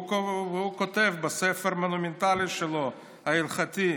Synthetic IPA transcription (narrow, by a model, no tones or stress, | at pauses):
uko̞t̪e̞vbasefeʁmo̞nument̪aliʃelo̞ | hailχat̪i